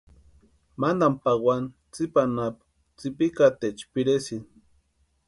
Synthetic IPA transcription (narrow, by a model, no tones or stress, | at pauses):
mand̪ampaɡwʷan | t͡sipanap | t͡sipikat̪et͡ʃpiɾesin